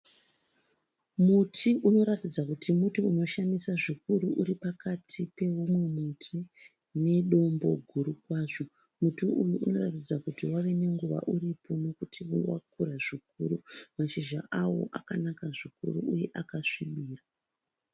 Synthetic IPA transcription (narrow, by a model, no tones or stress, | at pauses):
mutʰiʔuno̞ɾatid͡zakutʰimutiuno̞ʃamisaʐikuɾuʔuɾipakatʰipe̞umwemutʰi | ne̞ɗo̞mbo̞̰ɡʱuɾukwaːʐo̞ | mutiʔujuʔːno̞ratid͡zakutiwaʋe̞ne̞ŋɡuʋa̰ʔuripo̞no̞kutʰiwa̰k̚uɾaʐik̚uɾumaʃiʒa̰ʔawo̞̰ʔakanakaʐikṵɾṵʔuje̞ʔakaʂiɓiːra